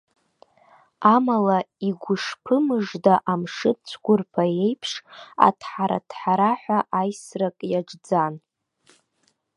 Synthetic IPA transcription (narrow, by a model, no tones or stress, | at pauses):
amalaiɡʷʊʂpʰɨmɨʐdaʔamʂɨt͡ɕʷʰɡʷʊrpʰae̞jpʰʂa̰tʰħaɾa̰tʰħaɾaħʷaʔajsrakʼjaʈ͡ʂd͡zan